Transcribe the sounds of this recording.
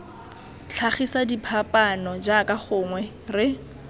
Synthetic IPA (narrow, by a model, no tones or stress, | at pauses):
ɬʰaχisadipʰapʼanɔd͡ʒakʼaχʊːŋwɛ | rɪ